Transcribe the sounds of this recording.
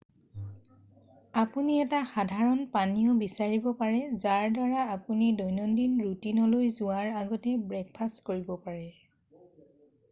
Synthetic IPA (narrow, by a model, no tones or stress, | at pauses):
apuniɛtaxadʱaɹɔnpaniɔbisaɹibɔpaɹɛzaɹdaɹaːpunidɔjnɔndinɹutinɔlojzʊaɹaɡɔtɛbɹɛk̚pʰastkoɹibɔpaɹɛ